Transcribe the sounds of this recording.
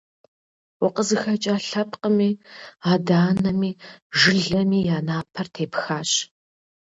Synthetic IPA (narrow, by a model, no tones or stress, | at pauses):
wʊqəzɨxɐt͡ʃʼaːɬɐpqəmiːaːdaːnɐmiːʒɪɮɐmiːjaːnaːpʰɐrtʰeːpxaːɕ